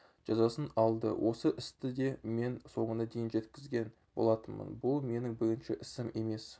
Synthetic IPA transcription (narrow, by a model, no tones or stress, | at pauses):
ʒ̥ɑzɑsənɑlˠd̪ə̰wʔo̞səʔɪst̪ɪd̪e̞me̞nso̞ɴənɑd̪ejɪnʒe̞t̪kʲɪzɡʲe̞n | bo̞̰lˠɑt̪ənmə̰nbʊlˠme̞nɪŋbɪɾɪnʃɪʔɪsɪme̞me̞s